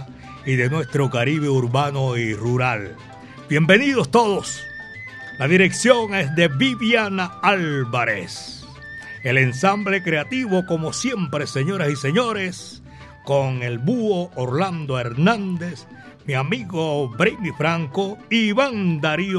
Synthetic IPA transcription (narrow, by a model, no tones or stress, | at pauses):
iðe̞nwe̞st̪ɾo̞kaɾiβeuɾβanoiruɾal | bje̞mbe̞niðo̞st̪oðos | laðiɾe̞ksjo̞ŋe̞sd̪e̞βiβjanaalβaɾes | e̞le̞nsamble̞kɾeat̪iβo̞ko̞mo̞sje̞mpɾe̞se̞ɲo̞ɾasise̞ɲo̞ɾes | ko̞ŋe̞lbuooɾland̪o̞eɾnãnd̪e̞s | miamiɣo̞bɾejmifɾaŋkoiβaŋd̪aɾi